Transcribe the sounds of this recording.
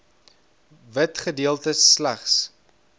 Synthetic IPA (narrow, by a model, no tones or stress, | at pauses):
vətχədiəlˠtəslæχs